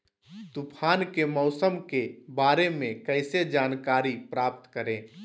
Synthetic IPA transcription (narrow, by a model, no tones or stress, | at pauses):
t̪upʰaːnkemɔʊsəmkebaːɾemẽkəɪsed͡ʒaːnkaːɾipɾaːp̚t̪kəɾẽː